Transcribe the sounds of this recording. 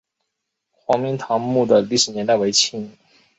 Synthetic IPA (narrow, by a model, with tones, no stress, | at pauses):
xwɑ˧˥ŋmi˧˥ŋt̪ʰɑ˧˥ŋmu˥˩d̪ə˩li˥˩ʂɻ̩˧˥njɛ˧˥nt̪a˥˩ɪwe˧˥ɪt͡ɕʰi˧˥˩ŋ